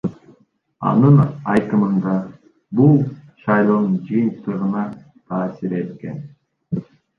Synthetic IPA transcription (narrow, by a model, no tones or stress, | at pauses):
ɑ̰nɯnɑjt̪ɯmɯnd̪ɑ | bulˠʃɑjlˠoːnɯnd͡ʒɯjɯnt̪ɯʁɯnɑ | t̪ʰɑːsiɾe̞t̪kḛn